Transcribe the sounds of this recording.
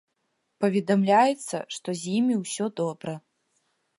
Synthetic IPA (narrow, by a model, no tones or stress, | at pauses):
pɐvʲɛd̪ɐmlʲajɛt̪sːɐ̰ʂt̪ɔzʲjimʲiwsʲɔd̪ɔbɾɐ